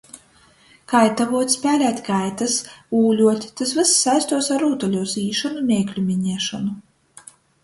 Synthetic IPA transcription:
kajt̪avuɔt̪ʲspʲæːlʲæːt̪ʲkajt̪asuːlʲuɔt̪ʲt̪as̬vɨsːajst̪uɔsaɾuːt̪ɔlʲuɔziːʃɔnumʲɛɛːklʲumʲiɲɛːʃɔnu

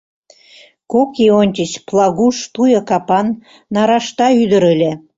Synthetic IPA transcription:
kokionʲt̪ʲət͡ɕplˠɑɣuʃt̪ujɤkɑpɑnː | ɑɾɑʃt̪ɑyd̪ə̆ɾəlʲĕ

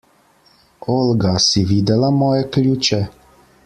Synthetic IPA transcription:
olɡasiʋiːd̪ɛlamɔːjɛklʲuːt͡ʃɛ

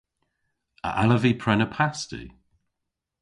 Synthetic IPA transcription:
ə̰ʔaləvipʰɹɛnəpʰastḭ

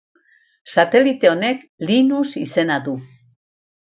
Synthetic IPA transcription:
sat̪e̞lit̪e̞o̞ne̞k | linusise̞naðu

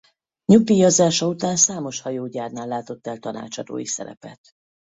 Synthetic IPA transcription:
ɲupijɒzaːʃɒut̪aːnsaːmo̞ʃhɒjoːɟaːrnaːlːaːt̪o̞t̪ːɛlt̪ɒna̰ːt͡ʃɒd̪o̰ːjisɛ̰ɾɛ̰pɛ̰t̪

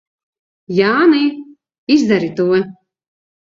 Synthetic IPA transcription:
jaːnɨj | izd̪aɾit̪uɔ

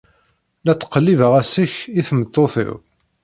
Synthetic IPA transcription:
læt͡sːə̥qːəlːivəʁæsəçiθmət̪ˤːoθɪ̰w

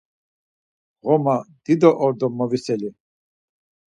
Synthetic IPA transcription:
ʁɔmad̪̥id̪ɔʔɔɾd̪ɔmːɔvisɛli

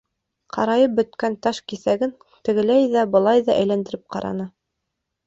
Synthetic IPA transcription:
qʰɑɾɑjɤp̚bɵ̆t̪kænt̪ɑʃkiθæɡɘn | t̪ɘ̆ɡɘ̆læjðæbɤ̆lˠɑjðɑʔæjlænd̪ɘ̆ɾɘp̚qɑ̰ɾɑ̰nɤ

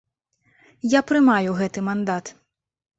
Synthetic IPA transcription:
japɾɨmajuɣɛt̪ɨmand̪at̪

